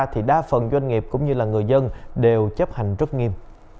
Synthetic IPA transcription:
t̪ʰi˨˩ɗaː˧fə˨˩nzwa˧ŋ̟ŋi˨˩əp̚kʊ̰˧˥ŋ͡mɲɨ˧laː˨˩ŋɨ˨˩əjzə˧nɗe˨˩wt͡ɕə˦˥p̚ha˨˩ŋ̟zə˦˥t̚ŋi˧əm

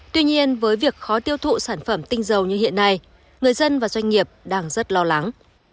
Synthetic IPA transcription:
t̪wi˧ɲi˧ənvəː˨˦jvi˨˩ək̚xɔ˨˦t̪i˧əwt̪ʰṵ˧˨saː˧˩nfə˧˩mt̪ï˧ŋ̟zə˨˩wɲɨ˧hḭ˧˨ənːa˧j | ŋɨ˨˩əjzə˧nvaː˨˩zwa˧jŋ̟ŋi˨˩əp̚ɗaː˧ŋzə˦˥t̚lɔ˧la˨˦ŋ

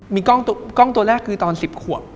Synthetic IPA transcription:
miː˧kɔ˥˩ŋkɔ˥˩ŋt̪u˧ɐɾɛː˥˩kʰːɯː˧t̪ɔː˧nsi˨˩p̚kʰu˨˩əp̚

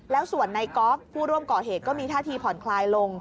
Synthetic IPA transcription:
lɛː˦˥wsu˨˩ənːa˧jkɔː˦˥p̚ʰːuː˥˩ɾu˥˩əmkɔː˨˩ɦeː˨˩t̪̚kɔː˥˩miː˧aː˥˩t̪ʰiː˧pʰɔ˨˩˦nkʰlaː˧jlo˧ŋ

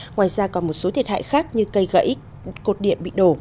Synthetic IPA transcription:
ŋwaː˧˨jzaː˧kɔ˨˦nmo˨˩t̚so˨˦t̪ʰi˨˩ətha̰ː˧˨jxaː˦˥k̚ɲɨ˧kə˧jɣə̰˧˥j | ko˨˩t̚ɗḭ˧˨əmɓḭ˧˨ɗo˧˩

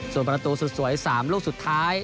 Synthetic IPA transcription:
su˨˩npɾa˧t̪uː˧su˨˩t̪̚su˩˦əjsaː˩˦mloː˥˩k̚su˨˩t̪ʰːaː˦˥j

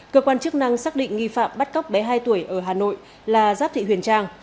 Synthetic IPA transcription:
kəː˧kwaː˧nt͡ɕɨ˦˥ək̚na˧ŋsaː˦˥k̚ɗḭ̈˧˨ŋ̟ŋi˧fa̰ː˧˨mɓa˦˥t̚ka˦˥wk͡p̚ɓaɛ˨˦ɦaː˧jt̪u˧˩əjʔəː˧˩ɦaː˨˩no̰˧˨j | laː˨˩zaː˦˥p̚t̪ʰḭ˧˨hwi˧˩ənt͡ɕaː˧ŋ

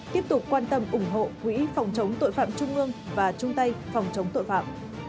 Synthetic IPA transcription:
t̪i˦˥əp̚t̪ʊ˨˩k͡p̚kːwaː˧nt̪ə˧mʔʊ˧˩ŋ͡mɦo̰˧˨kwḭ˧˥fa˨˩wŋ͡mt͡ɕə˨˦wŋ͡mt̪o̰˧˨jfa̰ː˧˨mt͡ɕʊ˧ŋ͡mʔɨ˧əŋvaː˨˩t͡ɕʊ˧ŋ͡mt̪a˧jfa˨˩wŋ͡mt͡ɕə˨˦wŋ͡mt̪o̰˧˨jfa̰ː˧˨m

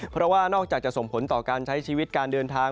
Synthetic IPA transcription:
pʰɾɔ˦˥waː˥˩nɔː˥˩k̚t͡ɕaː˨˩k̚t͡ɕa˨˩ʔso˨˩ŋpʰo˩˦nt̪ɔː˨˩kaː˧nt͡ɕʰa˦˥jt͡ɕʰiː˧wi˦˥t̪̚kaː˧ndɤː˧nt̪ʰaː˧

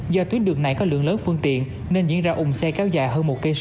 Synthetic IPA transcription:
zɔ˧t̪wi˦˥ət̚ɗɨ˨˩əŋ̚na˨˩jkɔ˨˦lɨ̰˧˨əŋləː˨˦nfɨ˧əŋt̪ḭ˧˨ən | ne˧nzḭ˧˨ənzaː˧ʔʊ˨˩ŋ͡msɛ˧kɛ˧wzaː˧˩jɦəː˧nmo˨˩t̚kə˧j

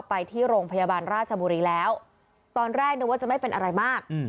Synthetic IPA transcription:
pːa˧jt̪ʰiː˥˩ɾoː˧ŋpʰa˧jaː˧baː˧nɾaː˥˩t̪̚t͡ɕʰa˧buː˧ɾiː˧lɛː˦˥w | t̪ɔː˧nɾɛː˥˩k̚nɯː˧waː˥˩t͡ɕa˨˩ma˥˩jpe˧nʔa˧ɾa˧jmaː˥˩k̚ː

